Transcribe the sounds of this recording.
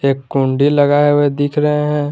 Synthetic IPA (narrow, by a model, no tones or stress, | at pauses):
eːkːũɳɖilɐɡaɛʋed̪ɪkʰɾɐɦeɦɛ̃ː